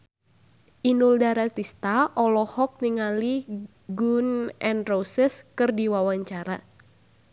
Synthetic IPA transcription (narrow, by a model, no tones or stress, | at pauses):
ʔinuldaɾat̪ist̪aʔɔlɔhɔk̚niŋali | ɡunɛnrosəskɨrdiwawaɲt͡ʃaɾa